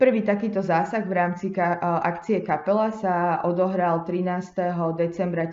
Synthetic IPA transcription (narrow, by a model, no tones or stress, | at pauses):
pr̩ʋiːt̪akiːt̪ɔzaːsaɣʋɾaːmt͡sikaʔa̰kt͡siɛkapɛlasaʔɔd̪ɔɦɾalt̪ɾinaːst̪ɛɦɔd̪ɛt͡sɛmbɾa